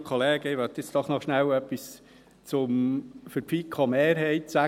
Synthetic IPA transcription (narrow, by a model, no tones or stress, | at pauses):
kʰχoleːɡ̥əiʋœt̪ɪsd̪̥ɔχnɔχʃnæwœpːis | t͡sʊmfəɾpfikʰχɑmeːɾɦɛɪt̪sæ